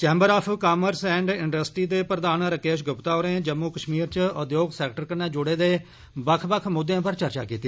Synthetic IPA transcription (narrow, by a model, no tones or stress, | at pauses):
t͡ʃɛːmbəɾaːpʰkaːməɾsɛ̃ːɳɖɪɳɖəsʈiːd̪eːpɾəd̪aːnɾəkeːʃɡʊpt̪aːoːɾẽːd͡ʒəmːuːkəʃmiːɾt͡ʃʊd̪joːɡsɛːkʈəɾkənɛːd͡ʒʊɽeːd̪eː | bəkʰbəkʰmʊd̪ːjãːpəɾt͡ʃəɾt͡ʃa̰ːkiːt̪iː